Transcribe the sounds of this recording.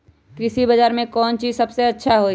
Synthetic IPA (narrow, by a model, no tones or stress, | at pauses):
kɾɪsibazaːɾmẽkɔːnt͡ʃiːzsɐbseɐtːʃʰaɦo